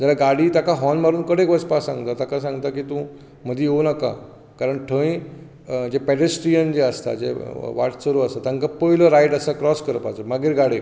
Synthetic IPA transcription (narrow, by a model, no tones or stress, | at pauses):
d͡ʑalaɡaɽiːt̪akaɦɔnmaɾuːnkəɽekʋəspasã̰ŋɡt̪at̪akas̬ãŋɡt̪akiːt̪ũ | m̤əd̪ʱiɦonəka̰ | kaɾəɳʈʰə̃ĩ | d͡ʑepɛɖesʈɾijənd͡ʑeəst̪a̰d͡ʑḛʋa̰ʈsəɾuəst̪at̪aŋkapəjləɾajʈəsakɾɔskəɾpa̰t͡səmaɡiːɾɡaɽe